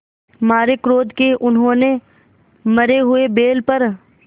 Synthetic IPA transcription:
maːɾekɾoːd̪keʔʊnɦõːne | mɐɾeɦʊebeːlpɐɾ

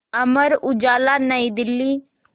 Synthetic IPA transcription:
ɐməɾʊd͡ʒaːlanəid̪ɪlːi

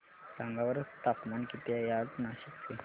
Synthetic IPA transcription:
ɾaŋɡaʋəɾət͡st̪apmankit̪jajat̪naɕikt͡se

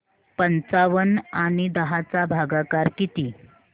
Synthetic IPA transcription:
pənt͡saʋənaɽ̃id̪əɦat͡sabʱaɡakaɾkit̪iː

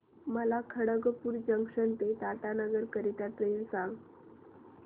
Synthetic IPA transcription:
məlakʰəɽəɡəpuːɾd͡ʑəŋkʂənt̪et̪aʈanəɡəɾkəɾit̪at̪ləilsãŋɡ

